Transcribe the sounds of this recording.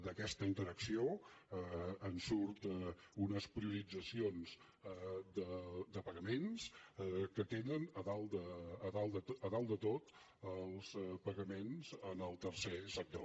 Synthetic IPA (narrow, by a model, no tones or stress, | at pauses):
d̪əkɛst̪əint̪əɾəksio | ənsuɾt̪ | unəspɾiuɾid͡zəsionz̥ | d̪əd̪əpəɣəmenskət̪enənəðalˠd̪əːðalˠd̪əəðalˠd̪ət̪ot̪ | əlˠzpəɣəmenzənəlˠt̪ərsesək̚t̪o̰